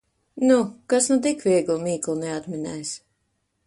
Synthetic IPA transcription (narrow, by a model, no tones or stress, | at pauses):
nukasnut̪̬ikvʲiɛɡlˠmiːklˠunɛat̪mɛnɛjs